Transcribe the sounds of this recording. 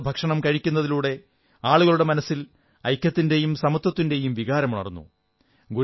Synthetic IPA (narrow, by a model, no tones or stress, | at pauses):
bʱɐkʂɐɳɐmkɐɻikʲːunːɐðiluːɽe̞ | aːɭuɣɐɭuɽe̞mɐnɐsːil | ɐjkʲːɐt̪ːinde̞jumsɐmɐt̪ːɐt̪ːinde̞jumʋiɣaːɾɐmuɳɐ̰rnːṵ | ɡu